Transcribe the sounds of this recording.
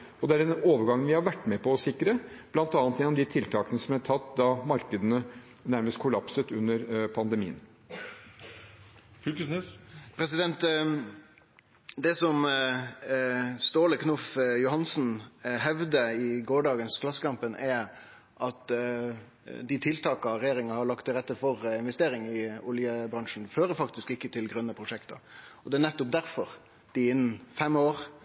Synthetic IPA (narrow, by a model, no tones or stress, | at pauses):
ɔd̪ɛæɾɛnoːʋəɾɡɑŋːnʋɪhɑɾʋæʈːmɛpʰɔɔsɪkːɾəb̥lɑnt̪ɑːnt̪jɛnɔmd̪ɪt̪ʰɪlt̪ʰɑːkənəsɔmæʈʰɑt̪ːd̪ɑmɑɾkəd̪ənə | næɾməst̪̚kʰʊlɑpsət̪ʉnːəɾpʰɑnd̪əmiːə̰n | fykəsnɪspʰɾɛs̬ɪd̪ɛnt̪ | d̪ɛsɔm | st̪oːləknʊfjʊhɑnsn̩ɦɛʋd̪əɪɡoːɖɑːɡənskʰlɑsːə̥kʰɑmpənʔɛɾ | ʔɑt̪ | d̪ɪt̪ʰɪlt̪ʰɑːkɑɾɛjeːɾɪŋɑhɑɭɑk̚t̪ʰːɪlɾɛt̪ːəfɔɾɪnʋɛst̪eːɾɪŋɪʊljəbɾɑŋʂn̩føːɾəfɑkt̪ɪskɪkːət̪ʰɪlɡɾœnːəpʰɾʊʂɛkt̪ɑ̰ɔd̪ɛænɛt̪ːʊp̚d̪æɾfɔɾ | d̪̥ɪɪn̩ːfɛmoːɾ